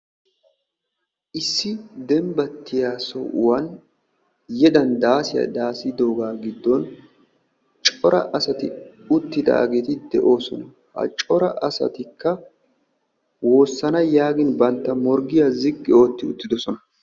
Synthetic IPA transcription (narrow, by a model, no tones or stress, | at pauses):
ʔɪsːɪd̪ɛmbɐt̪ːɪjaːsɔ̰ʊ̰wɐn | jɛd̪ɐnd̪aːsɪjɐ̰d̪aːsɪd̪o̞ːɡaːɡɪd̪ːɔn | t͡ʃʼɔɾɐ̰ʔɐsɐt̪ɪʊt̪ːɪd̪a̰ːɡeːt̪ɪd̪ɛʔo̞ːsɔnɐ | hɐ̰t͡ʃʼɔɾɐʔɐsɐ̰t̪ɪkːɐ | wo̞ːsːɐnɐjaːɡɪnbɐnt̪ːɐmɔɾɡɪjazɪɡʼːɪo̞ːt̪ːɪʊt̪ːɪd̪ɔsɔnɐ